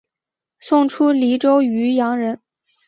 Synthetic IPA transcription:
sʊ˥˩ŋʈ͡ʂʰu˥li˧˥ʈ͡ʂo˥ʊy˧˥jɑ˧˥ŋɻə˧˥n

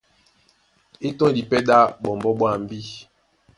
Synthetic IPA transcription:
e˦tɔ̃˦˨di˨pɛ˦da˦bɔ˨m˨bɔ˦ɓwa˦˨m̩˦bi˦

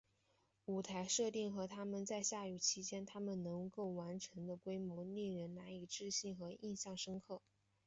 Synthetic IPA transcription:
u˨˩t̪ʰa˧˥ɪʂɤ˥˧t̪i˥˩ŋxɤ˧˥t̪ʰa˥mə˨nt͡sa˥˧ɪɕja˥˩y˨˩t͡ɕʰi˧˥t͡ɕjɛ˥nt̪ʰa˥mə˨nnɤ˧˥ŋko˥˩ʊwa˧˥nʈ͡ʂʰɤ˧˥ŋd̪ə˧kwe˥ɪmwɔ˧˥nɛ˥˩ɻə˧˥nna˧˥i˨˩ʈ͡ʂɻ̩˥˧ɕi˥˩ŋxɤ˧˥ʔi˥˧nɕjɑ˥˩ŋʂɤ˥ŋkʰɤ˥˩

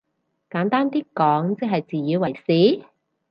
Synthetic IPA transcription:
kaː˨˥nt̪aː˥nt̪iː˥kɔː˨˥ŋt͡sɛ˥ɦɐ˨jt͡siː˨jiː˨˧wɐ˨˩jsiː˨˥

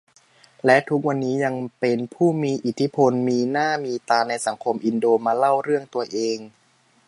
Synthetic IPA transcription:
lɛ˦˥t̪ʰu˦˥k̚wa˧nːiː˦˥ja˧ŋpe˧npʰuː˥˩miː˧ʔi˨˩t̪ʰːi˦˥pʰo˧nmiː˧naː˥˩miː˧t̪aː˧na˧jsa˩˦ŋkʰo˧mʔi˧ndoː˧maː˧la˥˩wɾɯ˥˩əŋt̪u˧ɐʔeː˧ŋ

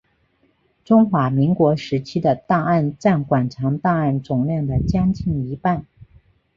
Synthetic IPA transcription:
ʈ͡ʂʊ˥ŋxwa˧˥mi˧˥ŋkwɔ˧˥ʂɻ̩˧˥t͡ɕʰi˥d̪ə˨t̪a˥˧a˥˧nʈ͡ʂa˥˩nkwa˨˩nʈ͡ʂʰɑ˧˥ŋt̪a˥˧a˥˩nʈ͡ʂʊ˨˩ŋljɑ˥˩ŋd̪ə˩t͡ɕjɑ˥ŋt͡ɕi˥˩ŋi˧˥pa˥˩n

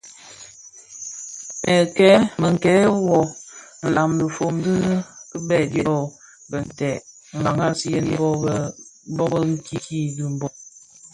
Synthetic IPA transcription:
ɛ˨kɛ˦mə˨ŋ̩˨kɛ˨˦wɔ˨ | n̩˨la˨mlə˨fo˨mdɨ˦n˦kə˦bɛ˦˨djɔ˦ɔ˦˨ | bə˨n˨tɛ˨ | ŋ̩˨a˨ŋa˦si˦je˦n˦bbɔ˦bə˦ŋ̩˦ki˦ki˦du˦m̩˦bɔ˦

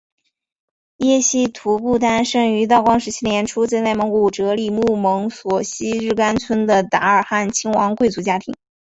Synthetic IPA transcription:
jɛ˥˧ɕi˥t̪ʰu˧˥pu˥˩t̪a˥nʂɤ˥˩ŋy˧˥t̪ɑ˥˩ʊkwɑ˥ŋʂɻ̩˧˥t͡ɕʰi˥njɛ˧˥nʈ͡ʂʰu˥t͡sa˥˧na˥˩ɪmə˧˥ŋku˨˩ʈ͡ʂɤ˧˥li˨˩mu˥˩mɤ˧˥ŋswɔ˨˩ɕi˥ɻɻ̩˥˩ka˥nt͡sʰwə˥nd̪ə˨t̪a˧˥ə˞˨˩xa˥˩nt͡ɕʰi˥ŋwɑ˧˥ŋkwe˥˩ɪt͡su˧˥t͡ɕja˥t̪ʰḭ˧˥ŋ

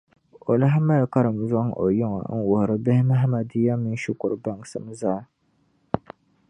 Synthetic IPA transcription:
o˨la˦ɦma˦lka˦ɾɨ˨m˨za˦ŋʔo̰˨jʊ˦ŋɔ̰˨˦n̩˦wʊ˨hɾɨ˦bɪ˦hɪ˦ma˦ɦma˨di˦ja˦mi˦n˦ʃi˦kʊ˨ɾɨ˨ba˨ŋ˨sɨ˨m˦za˦

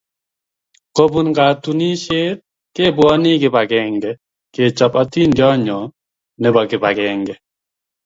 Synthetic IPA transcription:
ko˦bu˨nɡaː˨t̪uni˦ʃeː˦t̪̚ | ke˦bwɔ˦ni˦ɡɪ˨ba˨ɡɛŋɡɛ˨ | ke˨t͡ʃa˨pa˦t̪i˦ndjɔ˦ɲɔ˨ | nɛ˦bɔ˨kɪ˨ba˨ɡɛː˨ŋɡɛ˨

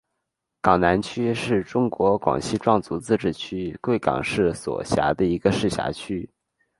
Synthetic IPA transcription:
kɑ˨˩ŋna˧˥nt͡ɕʰy˥ʂɻ̩˥˩ʈ͡ʂʊ˥ŋkwɔ˧˥kwɑ̰˨˩ŋɕi˥ʈ͡ʂwɑ˥˩ŋt͡su˧˥t͡sɹ̩˥˧ʈ͡ʂɻ̩˥˩t͡ɕʰy˥kwe˥˩ɪkɑ̰˨˩ŋʂɻ̩˥˩swɔ̰˨˩ɕja̰˧˥d̪ə˧i˧˥ɡə˧ʂɻ̩˥˩ɕja̰˧˥t͡ɕʰy˥

